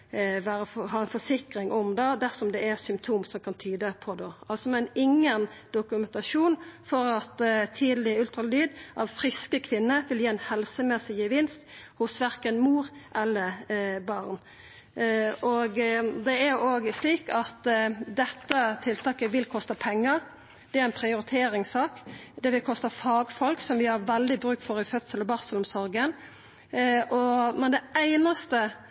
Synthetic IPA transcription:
ʋæːɾəɦɑːɛnfɔʂɪkɾɪŋʔɔmd̪ɑd̪æʁsɔmd̪ɛæsʏmpt̪ʰuːmsɔmkʰɑnt̪ʰyːd̪əpʰɔd̪ɛʔɑlsɔmɛnɪŋːənd̪ʊkʉmɛnt̪ɑʂuːnfɔɾɑt̪t̪ʰiːd̪əlɪʉlt̪ʁɑlyːd̪ʔɑʋfɾɪskəkʰʋɪnːəʋɪljiːɛnhɛlsəmɛsɪjəʋɪnst̪hʊsʋæʁkənmuːɾʔɛlːəbɑʁn | oɡd̪ɛæɾoːɡsliːkɑt̪d̪ɛt̪ːət̪ʰɪlt̪ʰɑːkəʋɪlkʰɔst̪əpʰɛŋːəɾ | d̪̥ɛæɾæɪnpʰʁɪʊɾɪt̪ʰeːɾɪŋsɑːkd̪ɛʋɪlkʰɔst̪əfɑːɡfɔlksɔmʋɪhɑʁʋɛld̪ɪbɾʉːkfɔɾɪfœt̪səlɔbɑʁsəlʊmsɔɾɡən | ʔɔmɛnd̪ɛæɪnɑst̪ə

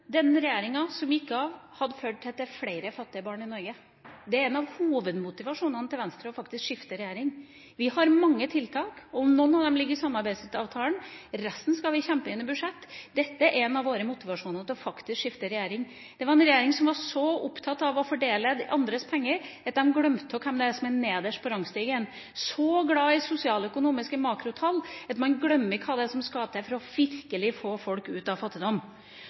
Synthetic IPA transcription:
d̪ɛnːəɾɛjeːɾɪŋɑsɔmɪkːəɑʋhɑd̪əføːɖ̚t̪ʰɪlt̪ɪlfleɪɾəfɑt̪ːɪəbɑːɳɪnɔɾɡə | d̪ɛæɾɛnɑʋhuːʋəd̪mʊt̪ɪʋɑʂuːnənət̪ʰɪlʋɛnst̪ɾəɔfɑk̚t̪ɪskʂɪft̪əɾɛjæːɾɪŋ | ʋɪhɑɾmɑŋːət̪ʰɪlt̪ʰɑːkɔɔmnɔnːɑʋd̪ɛmlɪɡːəɾsɑmːɑɾbæɪst̪ɑːʋt̪ʰɑːlənɾɛst̪n̩skɑlʋɪçɛmpəɪnːəbʉʂɛt̪ːd̪ɛt̪ːəɾʔɛnɑʋoːɾəmʊt̪ɪʋɑʂuːnət̪ɪlɔfɑkt̪ɪskʂɪft̪əɾɛjæːɾɪŋ | d̪̥ɛʋɑɾɛnɾɛjeːɾɪŋsɔmʋɑʂɔʊpt̪ʰɑt̪ːɑʋɔfɔɖeːləd̪ʔɑnd̪ɾəspʰɛŋːəɾɑt̪̚d̪ɛmɡlœmt̪ɔkʰɛmd̪ɛɛsɔmɛneːd̪əʂpʰɔɾɑŋst̪iːɡəɛn | sɔɡlɑːɪsʊsɪɑːlœkʊnuːmɪskəmɑːkɾʊt̪ʰɑlːɑt̪mɑnɡɽœmːɪkʰɑːd̪ɛsɔmskɑːd̪əsɛfɔɾɔʋɪɾkəlɪfoːfɔlkʉːt̪ɑʋfɑt̪ːɪd̪ɔmː

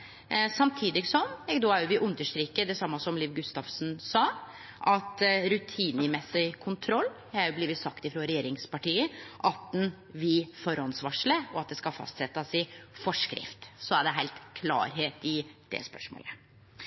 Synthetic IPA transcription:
sɑmt̪ʰiːd̪ɪɡsɔmɛɡd̪oːæɾjʊʋɪʔʉnd̪əʂt̪ɾiːkəd̪ɛsɑmːɑsɔmliːʋɡʉst̪ɑːfsn̩sɑː | ʔɑt̪ɾʉt̪ʰiːnəmɛsːɪkʰʊnt̪ʰɾɔlː | hɑɾjʊbliːʋɪt̪sɑkt̪ɪfɾoːɾɛjeːɾɪŋspɑʈiːəʔɑt̪̚d̪ɛn | ʋɪfɔɾɔnsʋɑʂləɔɑt̪̚d̪ɛskɑfɑ̰st̪sɛt̪ːɑsɪfɔʂkɾɪ̰ft̪sɔæɖɛɦæɪlt̪kʰlɑ̰ːɾɦeːt̪ɪd̪̥ɛ̰spœ̰ʂmo̰ːlə

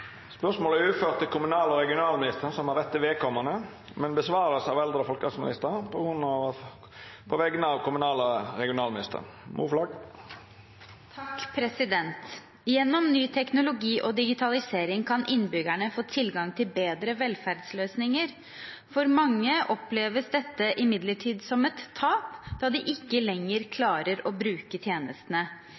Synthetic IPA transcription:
spœsmoːlæɾʉːføːɾt̪ʰːɪlkʰʊmʉnɑːləɔɾɛɡɪʊnɑːlmɪnɪst̪əɾsɔmhɑɾʋɛt̪ːɪʋɛkʰɔmːɑnə | mɛnbəsʋɑːɾəsɑʋɛld̪ɾəfɔlkɑsmɪnɪst̪əpʰɔɡɾʉnːɑʋ | pʰɔʋɛɡənəɑːʋkʊmʉnɑːləɾɛɡɪʊnɑːlmɪnɪst̪ʰə̰ɾmʔṵflɑːɡ | t̪ʰɑkːpʰɾɛsɪd̪ɛnt̪ | jɛnːɔmnyːt̪ʰɛknʊlʊɡiːʔɔd̪ɪɡɪt̪ʰɑlɪseːɾɪŋkʰɑnʔɪnːbʏɡæɳəfoːt̪ʰɪlɡɑŋt̪ʰɪlbeːd̪ɾəʋɛlfæɾɖ̪sløːsnɪŋəɾ | fɔɾmɑŋːəʔɔpleːʋəsd̪ɛt̪ːəʔɪmɪd̪ləʈʰiːd̪sɔmɛt̪ʰːɑːpd̪̥ɑːd̪ɪʔɪkːəlɛŋːəɾkʰlɑːɾəɾɔbɾʉːkət̪ʰjeːnəst̪ənə

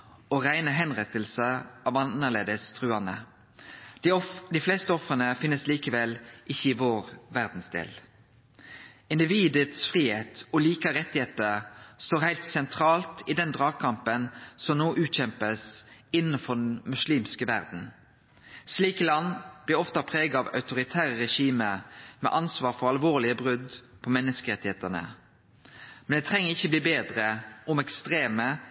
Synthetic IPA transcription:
oʁæɪnəɦɛnʁɛt̪əlsəʔɑːʋɑnəʁleːd̪əst̪ʰʁʉɑnə̰ | d̪ifleːst̪əɔfʁənəfɪnːəsliːkəʋɛlʔɪçːəɪʋoːʁʋæʁd̪n̩sd̪ḛːl | ɪnd̪ɪʋiːd̪ət̪sfʁiːheːt̪ɔliːkɑʁɛt̪ːɪheːt̪əʁst̪oːʁhæɪlt̪sɛnt̪ʰʁɑːlt̪iːd̪ɛnd̪ʁɑːɡkʰɑmpənsɔmnoːʔʉːt̪çɛmpəsɪnːəfɔd̪ɛnmʉsliːmskəʋæ̰ʁd̪n̩ | sliːkəlɑnb̥lɪʁɔft̪ɑpʰʁeːɡɑɑʋɑ̰ʉt̪ʊɾɪt̪ʰæːʁəʁɛʃiːməmɛ̰ʔɑnsʋɑːɾfɔʁɑlʋoːʁlɪəbʁʉd̪pʰɔmɛnːəskəʁɛt̪ːɪheːt̪ənə̰ | mɛnd̪ɛːt̪ʰʁɛŋːəʁɪçːəbliːbeːd̪ʁəʊmɛkst̪ʁeːmə

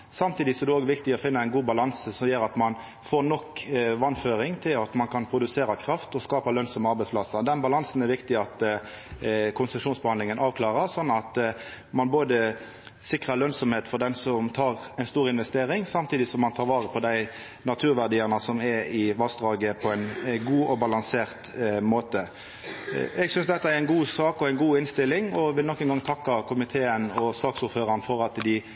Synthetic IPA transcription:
sɑmt̪ʰiːd̪ɪsɔɛd̪ɛoːɡʋɪkt̪ɪɔfɪnːəæɪnɡuːbɑlɑnsəsɔmjøːɾɑt̪mɑn | foːʁnɔkːʋɑnføːɾɪŋt̪ʰɪlɑt̪mɑnkʰɑnpʰɾʊd̪ʉseːɾɑkʰɾɑft̪ɔskɑːpɑlœnsɔməɑɾbɛɪsplɑsɑd̪ɛnbɑlɑnsn̩ɛɾʋɪkt̪ɪɑt̪ | kʰʊnsəʂuːnsbəhɑnd̪lɪŋənʔɑːʋkʰlɑːʁəsɔnːɑt̪ | mɑnboːd̪ə | sɪkʁəlœnsɔmheːt̪fɔʁd̪ɛnsɔmt̪ʰɑːʁæɪnst̪uːʁɪnʋɛst̪eːɾɪŋsɑmt̪ʰiːd̪ɪsɔmːɑnt̪ʰɑːʁʋɑːʁəpʰɔd̪æɪ | nɑt̪ʰʉːɾʋæʁd̪iːəʁnɑsɔmɛɪʋɑsd̪ʁɑːɡəpʰɔɛɪnɡuːʔɔbɑlɑŋseːʁt̪moːt̪ə | ɛɡsʏnsd̪ɛt̪ːɑæɾɛɪnɡuːsɑːkɔæɛɪnɡuːɪnst̪ɪlːɪŋɔʋɪlɔkːənɡɑŋt̪ʰɑkːɑkʰʊmɪt̪ʰeːənɔsɑːksʊɾføːɾɑnfɔɾɑt̪d̪ɪ

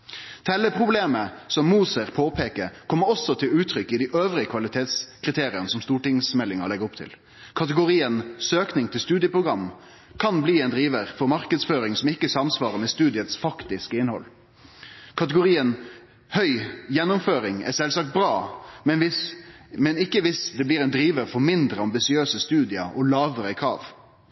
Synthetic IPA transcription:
t̪ʰɛlːəpʰʁʊbleːməsɔmːuːsəɾpʰoːpʰeːkəɾkʰɔmːəɾɔsːɔt̪ʰɪlʉːt̪ʰɾʏkːɪd̪iːʔøːʋʁɪəkʰʋɑlɪt̪ʰeːt̪skʰʁɪt̪ʰeːɾɪənəsɔmst̪uːʈɪŋsmɛlːɪŋə̰lɛɡəɾɔpt̪ʰɪ̰l | kʰɑt̪əɡʊɾiːənsøːknɪŋt̪ʰɪlst̪ʉːd̪ɪəpɾʊɡʁɑm | kʰɑnbliːɛnd̪ɾiːʋəʁfɔɾmɑɾkəd̪sføːɾɪŋsɔmɪkːəsɑmsʋɑːɾəmɛst̪ʉːd̪ɪət̪sfɑkt̪ɪskəɪnhɔ̰lː | kʰɑt̪əɡʊɾiːən | hœʏjɛnːʊmføːɾɪŋɛ̰sɛlsɑːk̚t̪̚bɾɑːmɛnʋɪ | mɛnɪkːəʋɪsd̪ɛbliːɾɛnd̪ɾiːʋəɾfɔɾmɪnd̪ɾəɑmbɪsɪøːsəst̪ʉːd̪ɪəʔɔlɑːʋəɾəɪkʰɾɑ̰ːʋ

